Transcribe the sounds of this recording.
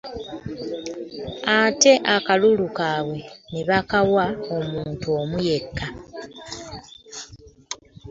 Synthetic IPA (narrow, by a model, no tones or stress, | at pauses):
ate̞ʔakalulukaːβwe̞niβakawao̞muːntuo̞ːmuje̞kːa